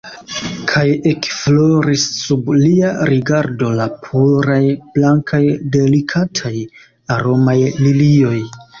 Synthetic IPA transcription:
kʰaje̞kflo̞ɾisːubliaɾiɡaɾdo̞lapʰuɾajblaŋkʰajde̞likʰatʰaj | aɾo̞majlilio̞j

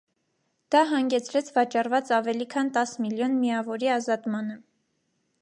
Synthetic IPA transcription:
d̪̥ɑɦɑŋɡɛt͡sʰɾɛt͡sʰvɑt͡ʃɑrvɑt͡sɑvɛlikʰɑnt̪ɑsmiljɔnmijɑvɔɾiɑzɑt̪mɑnə

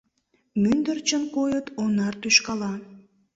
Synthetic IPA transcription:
mynd̪ərt͡ɕənkojət̪onɑrt̪yʃkɑlɑ

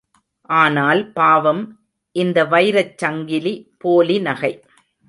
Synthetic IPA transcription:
ʔaːnaːlpaːʋɐm | ʔɪnd̪ɐʋɐɪɾɐt͡ʃːɐŋɡɪlipoːlinɐɣɐɪ

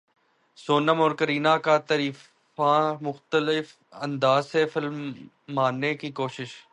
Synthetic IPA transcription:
soːnəmɔːɾkəɾiːnakat̪ɐɾiː | amʊxt̪əlɪf | ɐ̃nd̪aːzsefɪlmː | aːnːekikoːʃɪʃ

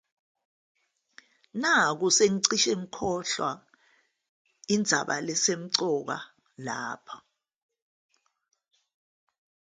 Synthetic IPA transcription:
nak̬useŋiǀiʃɛŋ̩kʰɔɬwa | ind͡zʱaɓa̰lɛsem̩ǀɔk̬a̰ | laːpʰa

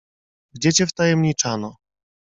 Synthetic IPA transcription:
ɡd͡ʑɛt͡ɕɛft̪ajɛmɲit͡ʂanɔ

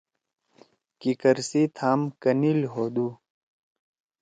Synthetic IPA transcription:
kikɐɾsit̪ʰaːmkɐnilɦoːd̪uː

